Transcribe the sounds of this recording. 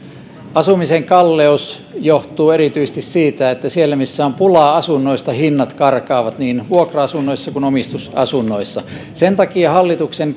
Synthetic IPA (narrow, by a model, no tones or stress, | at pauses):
ɑsumiseŋkɑlːeus | joht̪uːerit̪yist̪issiːt̪æet̪ːæsielːæmisːæompulɑɑsunːoist̪ɑhinːɑt̪kɑrkɑːʋɑt̪niːnʋuokrɑɑsunːoisːɑkunomist̪usɑ̰sunːoisːɑ | sent̪ɑkiɑhɑlːit̪uksen